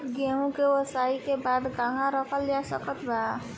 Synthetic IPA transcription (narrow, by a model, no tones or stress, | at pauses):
ɡeɦũkewɔsajkebad̪ɡãŋãɾʌkʰʌlːiasʌkʌt̪bʱa